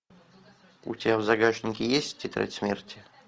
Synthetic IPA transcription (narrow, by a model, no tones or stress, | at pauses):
ṵtʲɪavzɐɡaʐnʲɪkʲɪjesʲtʲːɪt̪ɾʲa̰tʲsmʲertʲɪ